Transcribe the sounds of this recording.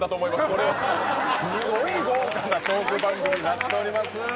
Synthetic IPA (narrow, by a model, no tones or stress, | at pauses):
d̪at̪o̞ːmo̞imasko̞ɾeβasɨɡoiɡoːkad̪at͡ɕoːkɯbãŋɡoːɲinat̪ːe̞o̞ɾʲimasɨ